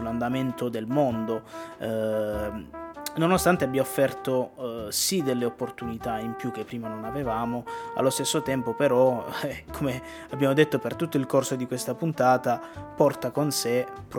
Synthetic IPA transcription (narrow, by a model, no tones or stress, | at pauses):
land̪ament̪od̪elmond̪o | nonost̪ant̪eabːiaofːɛrt̪osid̪elːeopːort̪unit̪aimpjuk̟ːepːɾiːmanonavevaːmoa̰lːost̪esːot̪ɛmpopeɾɔkʰome | abːjaːmod̪et̪ːopert̪ut̪ːoilkorsod̪ikwest̪apunt̪aːt̪apɔrt̪akonse | p